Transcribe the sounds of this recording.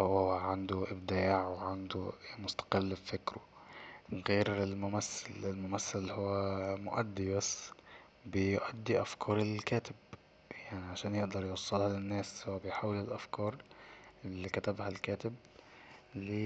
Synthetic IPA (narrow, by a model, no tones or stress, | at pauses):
hwowaʕand̪ʊʔɪbd̪aːʕweʕand̪umʊst̪ḁqɪlːbfɪkɾʊ | ɣeːɾɪlmʊmæsːɪlɪlmʊmæsːɪlhowːæmʊ̰ʔæ̰d̪ːibæs | bɪjʔæd̪ːiʔafkʰɑːɾˤɪlkæːt̪ɪb | jaʕniʕaʃæːnjɪʔd̪ɑɾˤjwɑsˤːelhɑlɪnːæːswɪbɪjħaːwːɪlɪlʔafkɑːɾˤɪlːkæt̪æbhalkæːt̪ɪb | lːiː